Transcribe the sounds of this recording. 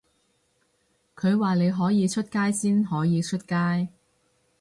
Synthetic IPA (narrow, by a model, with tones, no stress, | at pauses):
kʰɵ˨˧ɥwaː˨˩le˨˧jɦɔː˨˥jiː˨˧t͡ʃʰɵ˥t̚kaː˥jsiː˥nhɔː˨˥jiː˨˧t͡ʃʰɵ˥t̚kaː˥j